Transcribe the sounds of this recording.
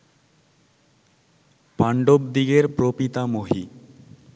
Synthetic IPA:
paɳɖobd̪iɡeɾpɾopit̪amoɦi

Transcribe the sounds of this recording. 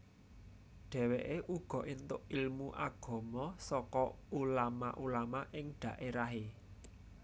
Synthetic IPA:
ɖ̥ɛ̤weʔeʔuɡ̥ɔ̤ʔint̪ʊʔilmuʔaɡ̥ɔ̤mɔsɔkɔulama̰ʔulamaʔɪŋɖ̥ä̤ʔeɾaɦe

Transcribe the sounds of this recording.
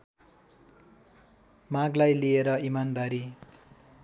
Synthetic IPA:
mãɡlajlieɾʌimand̪aɾi

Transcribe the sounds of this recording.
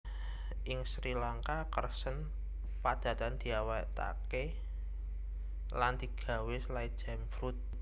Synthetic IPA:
ʔɪŋsɾilaŋkakərsən | pad̪̥a̤t̪and̪̥i̤awat̪a̰ke | land̪̥i̤ɡ̥a̤wɪslajd͡ʒ̥ɛmfɾut̪̚

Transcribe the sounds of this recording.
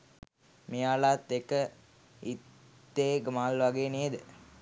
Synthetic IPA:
mijaːlaːt̪ːekə | it̪ː | eːɡəmaːlʋaɡeːnied̪ə

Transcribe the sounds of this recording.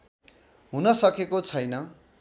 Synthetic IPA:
ɦunʌsʌkekot͡sʰʌjnʌ

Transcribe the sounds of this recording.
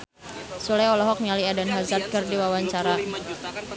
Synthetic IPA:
sulajɔlɔɦɔk̚mialiadanɦazat̪̚kərdiwawaɲt͡ʃaɾa

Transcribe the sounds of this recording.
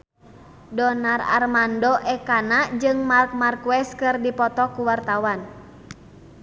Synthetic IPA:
dɔnara̰rmandɔʔɛkanad͡ʒɨŋmark̚markwɛskɨrdipɔt̪ɔkuwart̪awan

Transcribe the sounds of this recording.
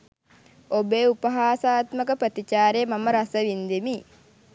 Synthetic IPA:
obeːupəɦaːsaːt̪məkəpɾət̪it͡ʃaːɾejːmaməɾasəʋind̪imi

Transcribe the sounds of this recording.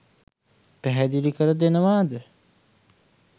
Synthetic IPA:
pæɦɛd̪ilikəɾəd̪enəʋaːd̪ə

